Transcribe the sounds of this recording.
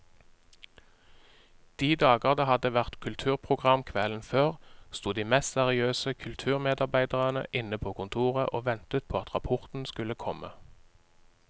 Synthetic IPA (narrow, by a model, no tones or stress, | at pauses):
d̪̥iːd̪ɑːɡəʁd̪əhɑd̪əʋæʁt̪kʰʉlt̪ʰʉːʁpʰʁʊɡʁɑmkʰʋɛln̩føːʁst̪uːd̪iːmɛst̪sɛʁɪøːsəkʰʉlt̪ʰʉːʁmeːd̪ɑʁbæɪd̪əʁənə̰ʔɪnəpʰoːkʰʊnt̪ʰuːʁəʔoːʋɛnt̪ət̪̚pʰoːɑt̪ʁɑpʰɔʁt̪n̩skʉləkʰɔmʔə̰